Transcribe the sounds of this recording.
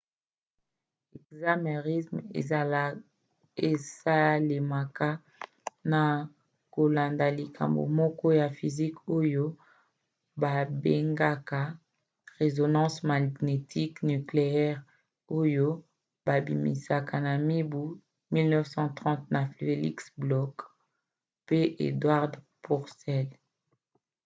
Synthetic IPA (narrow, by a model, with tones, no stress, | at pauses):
ɛ˨kza˦me˨ʁi˦smḛ˨ | e˨sa˦le˨ma˨ka˦ | na˨ | ko˨la˨nda˨li˨kʰa̰˨mbo̰˨mɔ˦kɔ˦ja˨fi˨zi˦ko˦jo˦ | ba˨be˦ŋɡa˦ka˦ | ʁe˨zo˨nɑ̃˦sma˨ne˨tʰi˦kny˨kle˨ɛ˦ʁ | o˦jo˦ | ba˨bi˨mḭ˨sa˨ka˨na˨mi˦bu˦ | mi˦lnɛ˦fsɑ̃˦tʁɑ̃˦t̚na˨fe˨lḭ˦ksblɔ˦k | pe˦ʔḛ˨dwa˦ʁd | pu˨ʁsɛ˦l